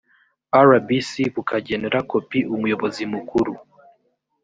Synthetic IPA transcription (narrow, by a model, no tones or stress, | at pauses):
aɾabisiβukʰaɟeneɾako̞piʔumujo̞βo̞zimukuɾu